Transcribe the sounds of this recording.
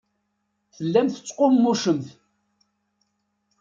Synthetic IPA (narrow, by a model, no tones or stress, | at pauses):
θəlːæmθə̥t͡sːqomːuʃəmθ